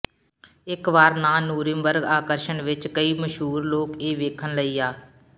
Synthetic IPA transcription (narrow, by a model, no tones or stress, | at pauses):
ɪkʋaːɾnaːnuːɾɪ̃mbəɾɡaːkəɾʃəɳʋɪt͡ʃkəiːməʃɦuːɾloːkeːʋeːkʰənləiːaː